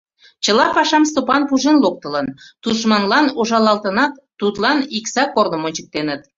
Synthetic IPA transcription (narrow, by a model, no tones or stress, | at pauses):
t͡ɕəlɑpɑʃɑmst̪opɑnpuʒenlok̚t̪ə̆lənt̪uʃmɑnlɑnoʒɑlɑlt̪ənɑt̪ːut̪lɑniksɑkornomonʲt͡ɕək̚t̪enət̪